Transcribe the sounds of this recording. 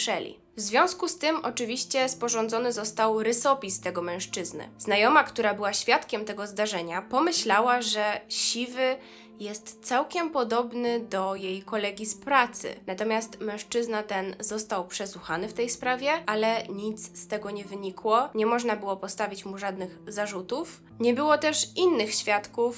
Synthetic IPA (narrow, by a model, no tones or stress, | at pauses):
ʂɛlʲḭ | vzvʲjɔ̃w̃skust̪ɘmɔt͡ʂɘvʲiɕt͡ɕɛspɔʐɔnd̪zɔnɘzɔst̪awɾɘsɔpʲist̪ɛɡɔmɛ̃w̃ʂt͡ʂɘznɘ̰znajɔmakt̪uɾabɘwaɕfʲjat̪kʲɛmt̪ɛɡɔzd̪aʐɛɲapɔmɘɕlawaʐɛɕivɘ | jɛst̪t̪sawkʲɛmpɔd̪ɔbnɘd̪ɔjejkɔlɛɡʲispɾat̪sɘ̰nat̪ɔmʲjast̪mɛ̃w̃ʂt͡ʂɘznat̪ɛnzɔst̪awpʂɛsuxanɘft̪ɛjspɾavʲjɛʔalɛɲit̪sst̪ɛɡɔɲɛvɘɲikwɔɲɛmɔʐnabɘwɔpɔst̪avʲit͡ɕmuʐad̪nɘɣzaʐut̪uf | ɲɛbɘwɔt̪ɛʂinːɘxɕfʲjat̪kuf